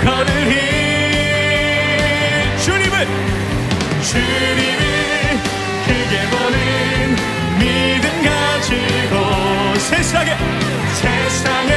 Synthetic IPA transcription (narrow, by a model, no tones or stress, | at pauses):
kʰʌnɯɦi | t͡ɕuɾimɯn | t͡ɕu | ɾimi | kʰɯɡebonɯ | n | mid̪ɯnɡa | d͡ʑɯɡɔ | sʰesaɡe | se | saŋ